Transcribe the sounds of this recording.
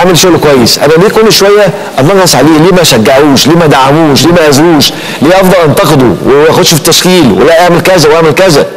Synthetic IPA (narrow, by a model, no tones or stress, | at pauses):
ʔaʕmelʃoɣlkwæjːesʔæ̰næliːkolːʃowæjːæ | ʔɑnɑɣɑsˤʕaleːliːmæʃæɡːaʕuːʃliːmæd̪aʕːamuːʃliːmæʔæzɾuːʃ | liːʔɑfd̪ˤɑlʔɑnt̪ɑqed̪o̰weæxod̪̥ʃfi̥t̪ːæʃxiːlwḛlæʔaʕmelkæzæwʔaʕmelkæzæ